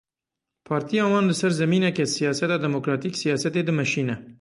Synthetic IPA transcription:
pʰɑːɾt̪ʰijɑːwɑːnlɨsɛɾzɛmiːnɛkɛsijɑːsɛt̪ɑːd̪ɛmoːkɾɑːt̪iːksijɑːsɛt̪eːd̪ɨmɛʃiːnɛ

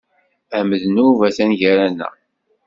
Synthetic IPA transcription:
æməðənuvæsænʝæɾænːæ̰

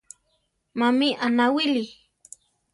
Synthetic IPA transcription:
mamiʔanawili

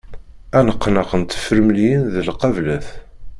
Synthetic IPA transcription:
ænəqːnəqənt̪ə̥fəɾmljənðəlqɑvlæθ

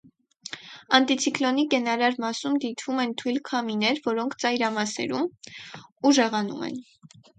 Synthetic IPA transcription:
ɑnt̪it͡sʰiklɔnikɛnɑɾɑɾmɑsumd̪it̪ʰvumɛnt̪ʰujlkʰɑminɛɾvɔɾɔŋkʰt͡sɑjɾɑmɑsɛ̰ɾum | uʒɛʁɑnṵmɛ̰n

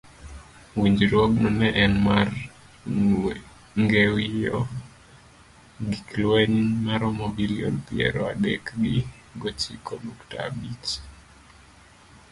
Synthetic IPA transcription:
wiɲd͡ʒɾwɔɡ̚nɔnɛʔɛnmar | ŋɡɛwijɔ | ɡiklwɛnmaɾɔmobiliɔ̰npiɛ̰ɾɔadɛkɡɪ | ɡot͡ʃikʰɔdukta̰bit͡ʃ

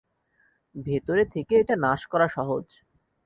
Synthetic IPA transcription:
bʱet̪oɾet̪ʰekeeʈanaʃkɔɾaʃɔɦod͡ʑ

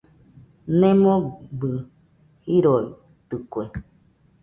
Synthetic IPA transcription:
nẽmõbɨ | hiɾoi | t̪ɨkʷe

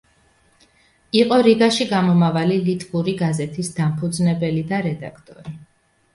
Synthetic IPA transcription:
iqʼɔɾiɡaʃiɡamɔmavalilit̪ʼbuɾiɡazɛt̪ʰisd̪ampʰud̪znɛbɛlid̪aɾɛd̪a̰kʰt̪ʼɔɾi

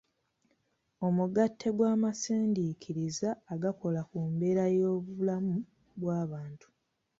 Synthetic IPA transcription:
o̞muɡatʰːe̞ɡwaːmasiːndikʰiɾizaːɡako̞lakuːmbe̞ːɾajo̞ːβulamu | βwaːβaːntu̥

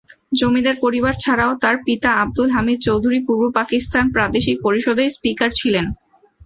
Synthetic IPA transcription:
d͡ʑomid̪eɾpoɾibaɾt͡ɕʰaɾaot̪aɾpit̪aab̚d̪ulɦamid̪̚t͡ɕowd̪ʱuɾipuɾbopakist̪anpɾad̪eʃik̚poɾiʃod̪ejspikaɾt͡ɕʰilen

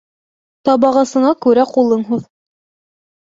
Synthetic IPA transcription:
t̪ɑbɑʁɑsɤ̆ɴɑkʉɾæqulˠɤɴɦuð

